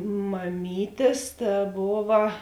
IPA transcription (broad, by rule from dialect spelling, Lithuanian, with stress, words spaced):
mɐˈmʲiːtʲeːs tɐ ˈboːʋɐ